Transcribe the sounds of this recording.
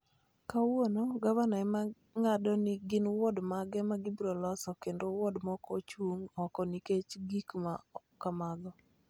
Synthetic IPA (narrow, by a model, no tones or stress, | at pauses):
kawonoɡavanaɛma | ŋadɔnɪɡɪnwɔdmaɡɛmaɡibɾɔlɔsɔkendowɔdmɔkɔt͡ʃuŋɔkɔniket͡ʃɡikmakamad̪ɔ